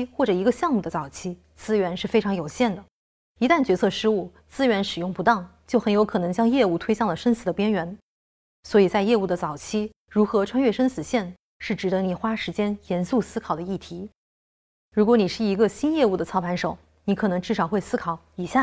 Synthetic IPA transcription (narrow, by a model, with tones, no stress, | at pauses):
xwɔ˥˩ʈ͡ʂɤ˨˩i˧˥ɡə˧ɕjɑ˥˧ŋmu˥˩d̪ə˩t͡sɑ˨˩ʊt͡ɕʰi˥ | t͡sɹ̩˥ɥɛ˧˥nʂɻ̩˥˩fe˥ɪʈ͡ʂʰɑ˧˥ŋjo˨˩ʊɕjɛ˥˩nd̪ə˩ | i˧˥t̪a˥˩nt͡ɕɥɛ˧˥t͡sʰɤ˥˩ʂɻ̩˥u˥˩ | t͡sɹ̩˥ɥɛ˧˥nʂɻ̩˨˩jʊ˥˩ŋpu˧˥t̪ɑ˥˩ŋt͡ɕjo˥˩ʊxə˧˥njo˧˥ʊkʰɤ˨˩nɤ˧˥ŋt͡ɕjɑ˥ŋjɛ˥˧u˥˩t̪ʰwe˥ɪɕjɑ˥˩ŋlə˩ʂə˥ns̩˨˩d̪ə˧pjɛ˥nɥɛ˧˥n | swɔ˧˥i˨˩t͡sa˥˧ɪjɛ˥˧u˥˩d̪ə˩t͡sɑ˨˩ʊt͡ɕʰi˥ | ɻu˧˥xɤ˧˥ʈ͡ʂʰwa˥nɥɛ˥˩ʂə˥nsɹ̩˨˩ɕjɛ˥˩n | ʂɻ̩˥˩ʈ͡ʂɻ̩˨˩d̪ə˧˥ni˨˩xwa˥ʂɻ̩˧˥t͡ɕjɛ˥njɛ˧˥nsu˥˩sɹ̩˥kʰɑ˨˩d̪ə˦i˥˩t̪ʰi˧˥ | ɻu˧˥kwɔ˧˥ni˨˩ʂɻ̩˥˩i˧˥ɡə˧ɕi˥njɛ˥˧u˥˩d̪ə˩t͡sʰɑ˥ʊpʰa˧˥nʂo˨˩˦ʊ | ni˧˥kʰɤ˨˩nɤ˧˥ŋʈ͡ʂɻ̩˥˩ʂɑ˨˩ʊxwe˥˩ɪsɹ̩˥kʰɑ˨˧˩ʊi˨˩ɕja˥˩